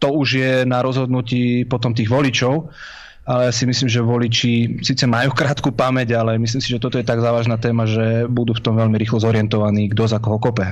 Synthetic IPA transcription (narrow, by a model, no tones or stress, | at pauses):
t̪ɔuʒjɛnaɾɔzɦɔd̪nuciːpɔt̪ɔmt̪iːɣʋɔlit͡ʃɔʊ | alɛjasimisliːmʒɛʋɔlit͡ʃisiːt͡sɛmajuːkɾaːt̪kupamɛɟalɛmisliːmsiʒɛt̪ɔt̪ɔjɛt̪aɡzaːʋaːʒnaːt̪ɛːmaʒɛbud̪uːft̪ɔmʋɛlmiɾiːxlɔzɔɾɪɛnt̪ɔʋaniːɡd̪ɔzakɔɦɔkɔpɛ